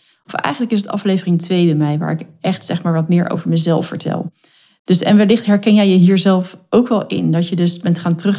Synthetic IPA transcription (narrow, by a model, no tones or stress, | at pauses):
ɔfɛ̰jxχəndləkɪsətɑ̰flejvərɪŋtʋejdəmɛjʋa̰ːɹɪkʔɛχtsɛχmaːɹʋɑtmɪːɹʔo̰wvəɹməzɛlˠfə̰ɹtʰɛ̰lˠ | d̥ɵsɛ̰nʋəlɪχtɦɛɹkɛnjɛjəɦiːɹzɛlˠfʔowkʋɛlˠɪ̰ndɑtjədɵsbɛntχaːntrɵχ